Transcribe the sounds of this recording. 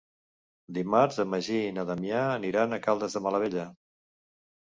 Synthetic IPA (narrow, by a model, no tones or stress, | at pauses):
d̪imaɾzəməʒiːnəðəmjiaːniɾanəkalˠd̪əzðəmələβeʎə